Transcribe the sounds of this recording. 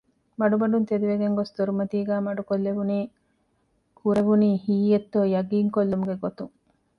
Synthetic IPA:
mɐɖubɐɖunt̪ed̪iʋeɡeŋɡost̪oɾumɐt̪iːɡæːmɐɖukolːebuniː | kʰuɾebuniːhiːjet̪ːoːjɐɡiːŋkolːumuɡeɡot̪uŋ

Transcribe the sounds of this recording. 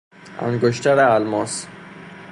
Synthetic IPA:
æ̰ŋɡoʃt̪ʰæɾeælmɒs

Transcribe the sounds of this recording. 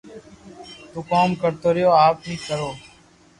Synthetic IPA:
t̪uːkaːmkəɾt̪oːɾɪjoːaːpnĩːkəɾoː

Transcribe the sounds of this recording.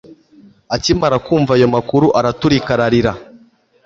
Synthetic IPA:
acimaɾakuːɱvaːjo̞makuɾuʔaɾatuɾikaɾaɾiɾa

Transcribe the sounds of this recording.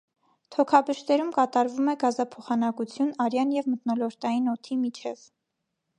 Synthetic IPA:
t̪ʰɔkʰɑbəʃt̪ɛɾumkɑt̪ɑɾvumɛɡɑzɑpʰɔχɑnɑkut͡sʰjunɑɾjɑnjɛvmət̪nɔlɔɾt̪ɑjinɔt̪ʰimit͡ʃʰɛv

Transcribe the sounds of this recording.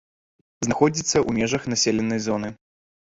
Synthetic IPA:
znaxɔd͡zʲit̪sːɐʔumʲɛʐɐxnasʲelʲɛnːɐjzɔnɨ

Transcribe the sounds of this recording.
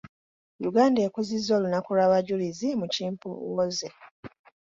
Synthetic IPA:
juɡaːndekuzizːo̞ːlunakulaβaɟulizimuciːmpṵwoze

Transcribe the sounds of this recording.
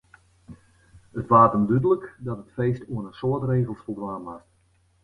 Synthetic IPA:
ətʋaːtəndydələkdɔtətfeːstuənənsoətreːɣəlˠsfəlˠɡraːmʋast

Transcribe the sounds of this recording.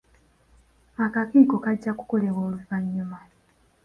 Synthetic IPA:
akakiːko̞kaɟːaku̥ko̞le̞βo̞ːluvaɲːuma

